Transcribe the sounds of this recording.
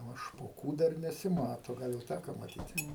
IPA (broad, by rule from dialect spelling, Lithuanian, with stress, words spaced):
ˈnʊ ʃpoːˈkuː ˈdɐr nʲɛsʲɪˈmɑːtoː ˈɡɐlˠ jɛʊ ˈtʲækoː mɐˈtʲiːtʲɪ